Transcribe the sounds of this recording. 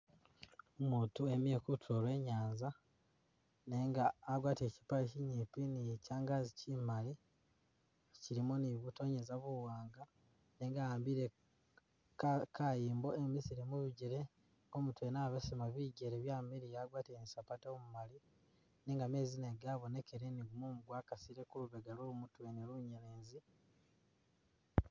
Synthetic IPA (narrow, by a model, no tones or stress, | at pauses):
omuːtuemjekutʰolwe̞ːɲaːnza | neŋɡaːɡwaːteci̥paɾeciɲipinicaːŋɡazicimali | ciɾimoniβuto̞ɲezaβuwaːŋɡa | ne̞ːŋɡaaːmbiɾe | kkʰajiːmbo̞emisiɾimuβiɟiɾe̞ | omutwenaːβesimaβiɟeɾeβjamiɾijaɡwaːteenisapatomumali | neŋɡame̞ːzineɡaβo̞ne̞keɾeniɡumomuɡwaːkasiɾekuluβeɡalolumutweneluɲeneːzi